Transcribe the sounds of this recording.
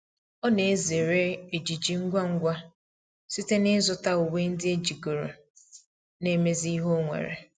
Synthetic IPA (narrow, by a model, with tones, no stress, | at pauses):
ɔ˦ne˨e˦ze˨ɾe˦e˨d͡ʒi˨d͡ʒi˨ŋ̩˦ɡʷa˦ŋ̩˦ɡʷa˦ | si˦te˦nɪ˦zʊ˨ta˦o˨we˦n̩˦dɪ˦e˦d͡ʒi˨ɡo˨ɾo̰˨ | ne˦me˦zi˦ɦo˦ŋʷḛ˨ɾḛ˨